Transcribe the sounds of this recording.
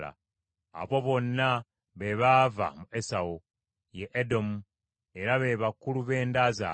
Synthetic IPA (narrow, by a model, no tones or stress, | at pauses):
a̰ | a̰βo̞βo̞nːa | βe̞βaːva̰muʔe̞sao | jeʔedo̞mu | e̞ɾaβe̞βakuluβe̞ːndaza̰